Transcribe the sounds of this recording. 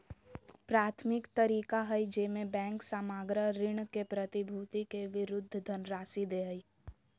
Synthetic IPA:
pɾaːt̪ʰmɪkt̪əɾiːkaɦəjd͡ʒeːmẽbɛ̃ːŋksamaːɡɾəɾɪɳ̃kepɾət̪ibʱuːt̪ikeʋɪɾʊd̪ʱːd̪ʱənɾaːsid̪eɦəj

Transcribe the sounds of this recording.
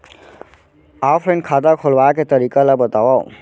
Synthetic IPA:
afʰɾẽɳ̚kʰaːd̪akʰolʋaket̪əɾiːkalabət̪aʋa̰

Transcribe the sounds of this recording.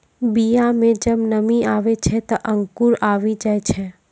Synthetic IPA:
bijamẽd͡ʒəbnəmĩaːʋet͡ʃʰɛt̪ɐʔə̃ŋkuɾaːʋid͡ʒaet͡ʃʰɛ

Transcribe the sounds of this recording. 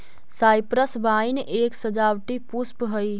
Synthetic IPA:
sajpɾəsbainʔeːksəd͡ʒawʈipuspɦəj

